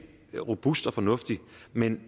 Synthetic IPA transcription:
ʁo̝b̥usd̥ɒ̽fɒ̽nɔ̽fd̥imen

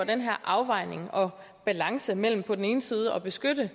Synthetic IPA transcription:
ɒd̥enɦæɐ̰ʔɑ̈ʊʋɑ̈ɪ̰ne̝ŋɒ̽ | b̥ælɑ̈ŋsəmel̰m̩pʰɒ̽d̥n̩e̝ːnəsiːð̞ˠəɒ̽b̥e̝sɡ̥ød̥ə

